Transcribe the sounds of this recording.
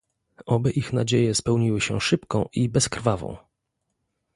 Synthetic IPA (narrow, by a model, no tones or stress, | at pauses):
ʔɔbɛʔixnad͡ʑejɛspɛwɲiwɘɕɛ̰ʂɘpkɔ̃w̃ʔibɛskɾvavɔ̰̃w̃